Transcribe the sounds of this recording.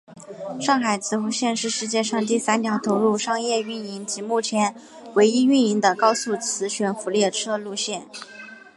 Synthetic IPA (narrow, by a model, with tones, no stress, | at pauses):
ʂɑ˥˩ŋxa˨˩ɪt͡sʰɹ̩˧˥xu˧˥ɕjɛ˥˧nʂɻ̩˥˧ʂɻ̩˥˧t͡ɕjɛ˥˧ʂɑ˥˧ŋt̪i˥˩sa˥nt̪jɑ˧˥ʊt̪ʰo˧˥ʊɻu˥˩˧ʂɑ˥˧ŋjɛ˥˧y˥˩ni˧˥nt͡ɕi˧˥mu˥˩t͡ɕʰjɛ˧˥n | we˧˥ɪi˥y˥˩ni˧˥ŋd̪ə˨kɑ˥ʊsu˥˩t͡sʰɹ̩˧˥ɕɥɛ˧˥nfu˧˥ljɛ˥˩ʈ͡ʂʰɤ˥lu˥˧ɕjɛ˥˩n